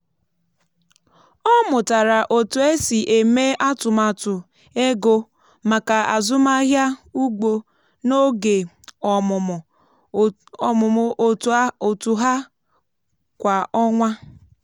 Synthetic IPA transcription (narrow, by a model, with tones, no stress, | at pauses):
ɔ˦mʊ˨ta˨ɾa˨ʔo˨tʊ˨e˦si˨ʔe˨me˦a˦tʊ˨ma˨tʊ˨ | e˦ɡo˦ | ma˨ka˨a˨zʊ˦ma˦ɦja˦u˦ɡ͡bo˨ | no˦ɡe˨ | ɔ˨ʊ˨ | ɔ˨mʊ˨mʊ˨ʔo˨to˨tu˨ɦa˦ | kʷa˨ɔ˦ŋʷa˦